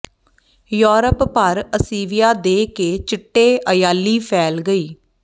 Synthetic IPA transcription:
joːɾəppəɾəsiːʋɪjaːd̪eːkeːt͡ʃɪʈːeːʔəjaːlːiːpʰɛːlɡəiː

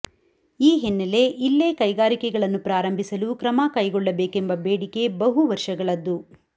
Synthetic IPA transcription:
iːɦenːɐle̞ʔilːeːkɐjɡaːɾikɛɡɐɭɐnːupɾaːɾɐmbʱisɐlukɾɐmakɐjɡɔɭːɐbeːkembɐbeːɽike̞bɐɦuʋɐɾʂɐɡɐɭɐd̪ːu

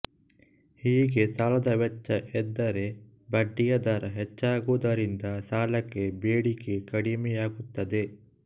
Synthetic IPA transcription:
hiːɡesaːlɐd̪ɐʋɛt͡ʃːɐʔɛd̪ːɐɾe | bɐɖːijɐd̪ɐɾɐɦɛt͡ʃːaːɡuːd̪ɐɾind̪ɐsaːlɐkːebeːɽikekɐɽimɛjaːɡut̪ːɐd̪e

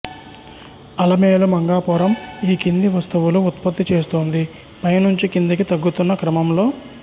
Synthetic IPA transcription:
ɐlɐmeːlumɐŋɡaːpɔːɾɐmiːkind̪iʋɐst̪uʋuluːt̪pɐt̪ːit͡ʃe̞ːst̪uːnd̪i | pɐjnuɲt͡ʃikind̪ɐkit̪ɐɡːut̪unːɐkɾɐmɐmlo̞ː

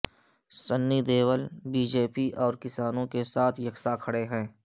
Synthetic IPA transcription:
sənːid̪eːwəlbiːd͡ʒeːpiʔɔːɾkɪsaːnõkesaːt̪ʰjɐksakʰəɽeɦɛ̃ː

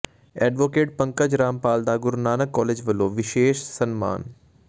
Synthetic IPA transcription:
ɛːɖʋoːkeːʈ̚pɐ̃ŋkəd͡ʒɾaːmpaːld̪aːɡʊɾnaːnəkːɔːleːd͡ʒʋɐloːʋɪʃeːʃsɐnma̰ːn

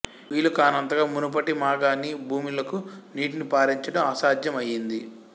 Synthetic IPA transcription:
ʋiːlɐkaːnɐnt̪ɐɡaːmunupɐʈimaːɡaːnibʱuːmilɐkuniːʈinipaːɾiɲt͡ʃɐʈɐmɐsaːd̪jɐmɐjːind̪i

